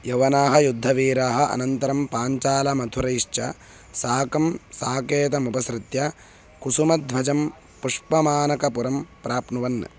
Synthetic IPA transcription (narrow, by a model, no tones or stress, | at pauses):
jɐʋɐnaːɦɐjud̪ʱːɐʋiːɾaːɦɐ̆ʔɐ̰nɐnt̪ɐɾɐmpaːɲt͡ʃaːlɐmɐt̪ʰuɾɐjiʂt͡ʃʰɐ | saːkɐmsaːkeːt̪̬ɐmupɐsɾɪt̪jɐ | kusumɐd̪ʱbʱɐd͡ʒɐm | puʂpɐmaːnɐkɐpuɾɐmpɾaːpnuʋɐnːɐ̰